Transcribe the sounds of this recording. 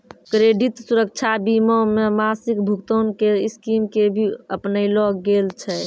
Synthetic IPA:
kɾeɖit̪suɾək̚t͡ʃʰabimɔmemasikbʱukt̪onkeiskimkebʱiəpnəilɔɡelt͡ʃʰɛ

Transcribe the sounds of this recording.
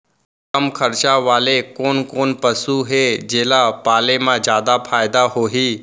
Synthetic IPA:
kəmkʰəɾt͡ʃaʋaːlekoːnkoːnpəsuɦed͡ʒeːlapaːlemãd͡ʒjaːd̪apʰaːɪd̪aɦoːɦiː

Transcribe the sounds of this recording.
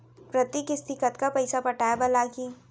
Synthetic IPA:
pɾɐt̪ikɪst̪ɪkət̪kapɐɪsapɐʈaːjabɐlaki

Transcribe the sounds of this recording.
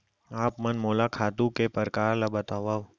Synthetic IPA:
aːpmɐnmoːlakʰaːt̪ũkepəɾkaːɾlabɐt̪aːʋaːo

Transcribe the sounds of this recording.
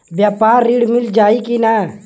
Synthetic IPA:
bjaːpaːɾːiːɽmɪld͡ʒaːikinaː

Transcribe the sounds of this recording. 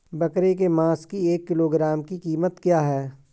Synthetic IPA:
bɐkɾek̬emãːskieːkːɪloːɡɾaːmkikiːmət̪kjaːɦɛː

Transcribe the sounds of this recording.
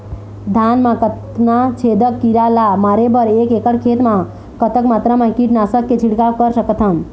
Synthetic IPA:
d̪ʱanmakət | nat͡ʃʰed̪əkːiɾalamaɾebəɾekekəɽkʰet̪ma | kət̪əkmat̪ɾamãkiʈnasəkːed͡ʒʰʱiɽkakəɾsəkət̪ʰəm

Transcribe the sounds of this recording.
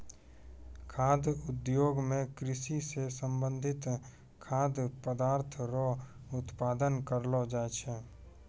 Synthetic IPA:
kʰaːd̪ʊd̪joːɡmẽkɾɪʃisesə̃mbə̃nd̪ʱɪt̪ | kʰaːd̪pəd̪aːɾt̪ʰɾɔ | ʊt̪paːd̪ənkəɾlod͡ʒaːet͡ʃʰɛː

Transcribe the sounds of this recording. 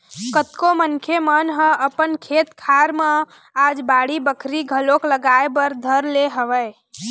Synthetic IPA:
kət̪komənkʰemənɦə̃əpənkʰet̪kʰaɾme | ad͡ʒbaɽibəkʰɾiɡʱəlokləɡaebəɾd̪ʱəɾleɦəʋəj

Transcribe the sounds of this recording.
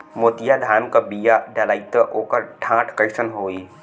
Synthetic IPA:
moːt̪ɪjad̪ʱaːmkabijaɖɐlaːit̪əʔoːkəɾʈʰãːʈʰkəɪʃənɦoːiː

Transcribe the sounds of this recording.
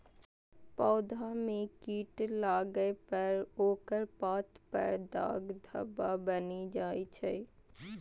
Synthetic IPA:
pɔːd̪amẽkiːʈlaːɡəepəɾoːkəɾpaːt̪pə̰ɾd̪a̰ːɡd̪ʱə̰babənid͡ʒaːit͡ʃʰɛː

